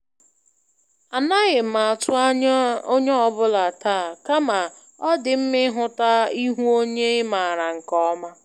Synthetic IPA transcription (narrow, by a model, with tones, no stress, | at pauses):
a˨na˦ɣɪ˨ma˨tʊ˦o˦ɲe˦ɔ˨bʊ˦la˨taː˦˨ka˦ma˨ | ɔ˦dɪ˨m̩˦mɪ˦ɦʊ˦ta˦i˦ɦu˦o˦ɲe˦ɪ˦ma˨ɾa˨ŋ̩˨kɔ˦ma˦